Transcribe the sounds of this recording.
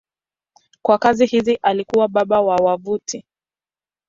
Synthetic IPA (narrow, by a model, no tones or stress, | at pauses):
kwakazihiziʔalikuwaɓaɓawawavuti